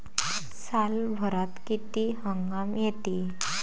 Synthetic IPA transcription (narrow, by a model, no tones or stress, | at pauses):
salbʱəɾat̪kit̪iɦəŋɡamjet̪i